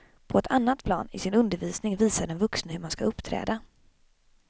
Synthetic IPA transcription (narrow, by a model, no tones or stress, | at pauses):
pʰɔɛt̪ʰanːat̪pʰlɑ̰ːnɪsɪnɵnd̪əɾviːsnɪŋviːsaɖɛnvɵksnəhɵmanskaɵpːt̪ʰɾɛ̰ːd̪a